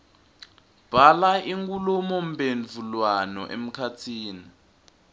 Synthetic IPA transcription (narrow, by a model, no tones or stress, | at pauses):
b̥ʱalaʔiŋɡulɔmɔm̩benvʱulwanɔ̰ʔḛm̩kʰatʰiːni